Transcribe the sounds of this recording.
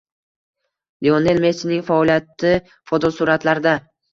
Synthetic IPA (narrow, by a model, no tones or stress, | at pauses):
lione̞lme̞sɪnɪŋʲfaɒlijat̪ːɪ | fɒd̪ɒsʊɾat̪laɾɪd̪a